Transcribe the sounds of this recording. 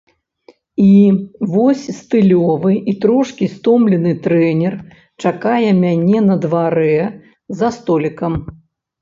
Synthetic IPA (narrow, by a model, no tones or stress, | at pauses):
ivɔsʲst̪ɨlʲɔvɨit̪ɾɔʂkʲist̪ɔmlʲɛnɨt̪ɾɛnʲɛr | t͡ʂakajɛmʲanʲɛnɐd̪vaɾɛ | zɐst̪ɔlʲikɐm